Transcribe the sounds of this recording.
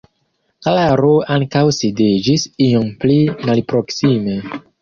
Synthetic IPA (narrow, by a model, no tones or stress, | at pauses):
klaɾoaŋkawsided͡ʒisiomplimalpɾo̞ksime̞